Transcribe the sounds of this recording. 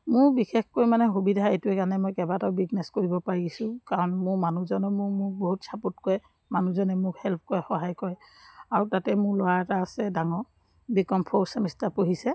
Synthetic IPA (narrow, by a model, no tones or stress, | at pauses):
mʊɹbixexkojmanɛxubidʱaetuɛkanɛmɔjkɛbataʊbiknɛskoɹibɔpaɹiɡisʊ̃kaɹɔnmʊɹmanuzɔnɔmʊmʊk̚boɦutsaputkɔjɛ | manuzɔnɛmʊkhɛlpʰkɔjɛxɔɦajkɔɹɛ | aɹutatɛmʊɹlʊwaɛtaːsɛdaŋɔ | bikɔmpʰɔɹsamistapoɦisɛ